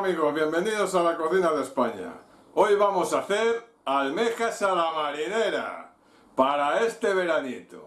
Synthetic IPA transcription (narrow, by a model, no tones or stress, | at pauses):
miɣo̞zβje̞mbe̞nið̞o̞salakoθinaðe̞spaɲa̰ | ojβamosaθeɾ | almexasalamaɾineɾa̰ | paɾae̞st̪eβ̞e̞ɾanit̪o̰